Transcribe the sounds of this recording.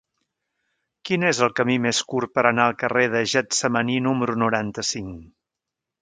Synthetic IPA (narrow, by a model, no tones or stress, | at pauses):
kinezəlˠkəmimeskurpəɾənaəlˠkəreðəʒət̪səməninuməɾunuɾant̪əsiŋ